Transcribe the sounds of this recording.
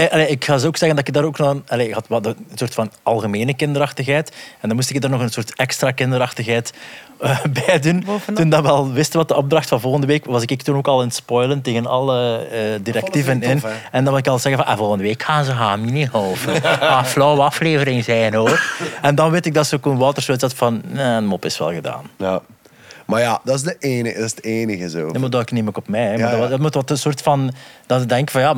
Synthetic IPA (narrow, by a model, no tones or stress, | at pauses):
ʔɑleɪkxaːzoːksɛɣəndɑtɪɪɡ̚daːɾoːknɔxənɑleɪkhɑtʋɛldəənsoːrtfɑnɑlˠɣəmeːnəkɪndəɾɑxtəxɦɛːtɛndɑnmustɪkdarnɔɣənsoːrtɛkstrakɪndəɾɑxtəxɦɛːtəbɛːjduntundɑʋəɑlˠʋɪstənʋɑt̚əɔb̚drɑxtfɑnvɔlˠɣəndəʋeːkʋɑzɪkɪktunoːkɑlˠɪnətspɔjlənteːɣənɑ̰ləədiɾɛktivənɪnɛndɑnmɑlɪkɑlˠz̥ɛɣənvɑnʔɛ̰vɔlˠɣəndəʋeːkxaːnzəɦaːminiɦɔlˠvəxaːflɔwəɑfleːvəɾɪŋzɛjnoːrɛndɑnʋetɪɡ̚dɑtsəokunʋaːtərsoːtzɛtfɑnɛnmɔpɪsʋɛ̰lˠɣəda̰ːnja | majadɑɪsdəʔeːnədsdeːnəɣəzoːdmɔdɔɪkneːməkɔpmɛjɛmaddtmutʋɔtənsoːrtfɑnd̥ɑədɛŋkəvɑnja